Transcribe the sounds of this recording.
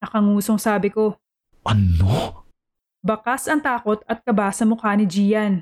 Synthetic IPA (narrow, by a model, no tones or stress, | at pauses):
ɐkɐŋuːsoŋsaːbɪko̞ | ʔɐno | bɐkasɐŋt̪aːko̞t̪̚ɐt̪̚kɐbaːsɐmʊkaːnɪd͡ʒiːjɐn